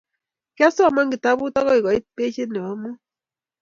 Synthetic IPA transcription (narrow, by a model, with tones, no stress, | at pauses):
ka˦sɔ˦a˨ma˦ŋɡi˨ta˦βu˦tɔ˦ɣɔ˦i˨kɔ˨i˦pe˦t͡ʃe˦nɛ˨a˨˦mɔ˦